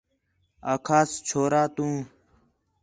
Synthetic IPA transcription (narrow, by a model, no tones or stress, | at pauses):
aːkʰaːst͡ʃʰoːɾaːt̪ũː